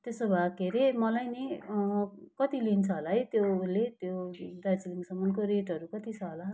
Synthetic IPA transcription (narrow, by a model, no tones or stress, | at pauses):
t̪esobʱakeɾemʌlajni | kʌt̪ilint͡sʰʌɦolaɦʌjt̪joulet̪jodat͡siliŋɡsʌmʌnkoɾeʈʌɾukʌt̪it͡sʰʌɦola